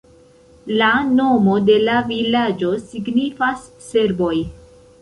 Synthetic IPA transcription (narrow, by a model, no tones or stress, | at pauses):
lano̞mo̞de̞lavilad͡ʒo̞siɡnifasːe̞ɾbo̞j